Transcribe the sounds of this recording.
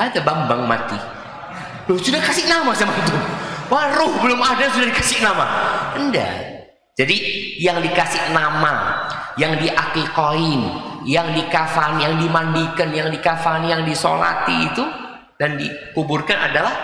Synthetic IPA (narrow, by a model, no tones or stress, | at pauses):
ad̪abambaŋma̰t̪i | dʊhsudahkasɪʔnamasamant̪ʊnwaɾʊhbəlʊmadasudahdikasɪʔnamaənda̰ | d͡ʒadijaŋdikasɪʔnama | jaŋdiʔakikɔɪnjaŋdikafanjaŋdimandikənjaŋdikafanjaŋdiso̰la̰t̪iːt̪u | dandikuburkana̰dalah